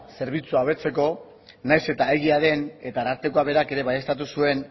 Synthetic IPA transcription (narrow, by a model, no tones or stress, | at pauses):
se̞ɾβit͡suaβ̞e̞t͡se̞ko̞ | najse̞t̪aeɣ̞iaðe̞ne̞t̪aɾaɾt̪ekoaβe̞ɾake̞ɾe̞βajest̪at̪̬usue̞n